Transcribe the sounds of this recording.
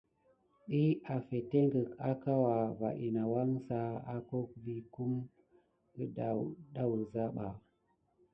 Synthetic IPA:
ɗi˦a˨fe˨te˦ŋɡə˨ka˦ka˦wa˨va˨ʔi˨na˨wa˦ŋsa˦a˦ko˦k̚vi˦ku˦m | ə˦ɗa˨ɗa˦wu˨za˦ɓa˨

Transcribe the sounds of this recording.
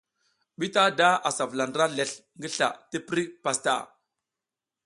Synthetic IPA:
ɓi˦ta˦da˦a˨sa˨vla˨nda˦le˨ɬŋɡə˦ɬa̰˨ti˦pi˦ɾi˦pa˨sta̰˦˨

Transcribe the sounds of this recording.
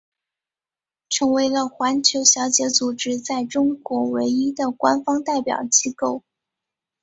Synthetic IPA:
ʈ͡ʂʰɤ˧˥ŋwe˧˥ɪlə˧xwa˧˥nt͡ɕʰjo˧˥ʊɕjɑ˧˥ʊt͡ɕjɛ˧˥t͡su˨˩ʈ͡ʂɻ̩˥t͡sa˥˩ɪʈ͡ʂʊ˥ŋkwɔ˧˥we˧˥ɪi˥d̪ə˨kwa˥nfɑ˥ŋt̪a˥˩ɪpjɑ̰˨˩ʊt͡ɕi˥ko˥˩ʊ

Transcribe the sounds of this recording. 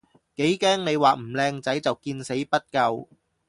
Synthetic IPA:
ke˨˥jkɛː˥ŋne˨˧jwaː˨m̩˨˩lɛː˧ŋt͡sɐ˨˥jt͡sɐ˨wkiː˧nse˨˥jpɐ˥t̚kɐ˧w

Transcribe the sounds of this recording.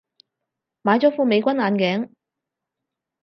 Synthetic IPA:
maː˨˥jt͡sɔː˨˥fuː˧me˨˧jkʷɐ˥naː˨˧nkɛː˨˥ŋ

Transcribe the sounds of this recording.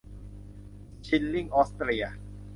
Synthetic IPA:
t͡ɕʰi˧nːi˥˩ŋʔɔː˦˥st̪ɾi˧a˩

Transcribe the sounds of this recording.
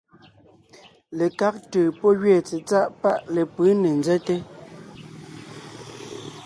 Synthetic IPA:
le˨ka˦k̚təː˨pɔ˦ɣɥɛː˨t͡se˨t͡sa˦ʔpa˦ʔle˨pə˨˦ne˨nd͡zɛ˦te˦

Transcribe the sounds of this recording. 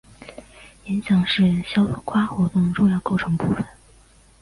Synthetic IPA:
jɛ˧˥nɕjɑ˨˩ŋʂɻ̩˥˩ɕjɑ˥ʊ˨˩kʰwa˥xwɔ˧˥t̪ʊ˥˧ŋʈ͡ʂʊ˥˧ŋjɑ˥˧ʊko˥˩ʊʈ͡ʂʰɤ˧˥ŋpṵ˥˩fə˨˩n

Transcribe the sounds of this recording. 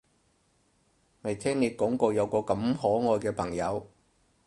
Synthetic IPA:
me˨˩jt̪ʰɛː˥ŋne˨˧kɔː˨˥ŋkoː˧wjɐ˨˧wkɔː˧kɐ˨˧mɦɔː˨˥ŋɔː˨˧jkɛː˧pʰɐ˨˩ŋjɐ˨˧w

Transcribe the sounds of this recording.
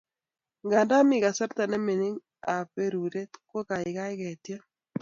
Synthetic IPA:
ŋɡa˨nda˦mɪ˦˨ɣa˨sɛ˦ɾt̪a˨nɛ˦me˨ni˦ŋ | a˨pe˦ɾu˨ɾe˦tkwo˦ka˨ɪ˨ɣa˦ɪ˦ɣɛ˨tja˦

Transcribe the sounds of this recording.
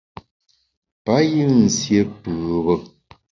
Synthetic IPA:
pa˦ji˦˨n̩˨sje˦pɯː˨bə˦

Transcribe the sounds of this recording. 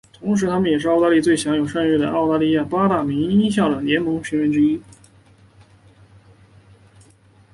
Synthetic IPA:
t̪ʰʊ˧˥ŋʂ̬ɻ̩˧˥t̪ʰa˥mə˨njɛ˨˩ʂɻ̩˥˧˥ɑ˥˧ʊa˥˧li˥˧t͡swe˥˩ɪɕjɑ˧˥ŋjo˨˩ʊʂa˥˧ny˥˩d̪ə̰˩ʔɑ˥˩ʊt̪a˥˧li˥˧ja˥˩pa˥t̪a˥˩mi˧˥ŋi˥ɕ̬jɑ˥˩ʊə˨˩ljɛ˧˥nmɤ˧˥ŋɕʰi˧˥ŋɥɛ˧˥nʈ͡ʂɻ̩˥i˥

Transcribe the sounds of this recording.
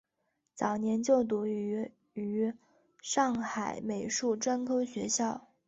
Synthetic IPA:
t͡sɑ˨˩ʊnjɛ˧˥nt͡ɕjo˥˩ʊt̪̬u˧˥y˧˥ | y˧˥ | ʂɑ˥˩ŋxa˨˩ɪme˨˩ɪʂu˥˩ʈ͡ʂwa˥nkʰɤ˥ʊɕɥɛ˧˥ɕjɑ˥˩ʊ

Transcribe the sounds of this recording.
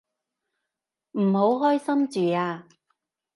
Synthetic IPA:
m̩˨˩ho˨˧˥wɦɔː˥jsɐ˥mt͡syː˨˩aː˧

